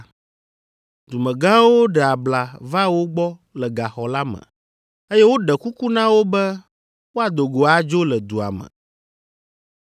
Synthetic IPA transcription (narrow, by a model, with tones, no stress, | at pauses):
d̪u˨mɛ̃˨ɡã˦wo˦ɖɛ˨a˨bla˨va˦wo˦ɡ͡bɔ˦lɛ˨ɡa˨xɔ˨la˦mɛ̰̃˨ | e˦jɛ˦wo˦ɖɛ˨ku˦ku˦nã˦wo˦bɛ˦ | wo˦a˨d̪o˨ɡo˨a˨d͡ʒo˦lɛ˨d̪u˨a̰˨mɛ̰˨